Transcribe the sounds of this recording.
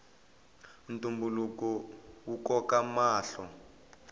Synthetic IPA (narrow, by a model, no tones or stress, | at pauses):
ntumbulukɔwukɔkamaːɬɔ